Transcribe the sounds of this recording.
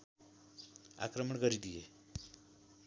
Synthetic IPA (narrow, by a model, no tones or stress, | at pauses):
a̰kɾəməɳkəɾid̪ije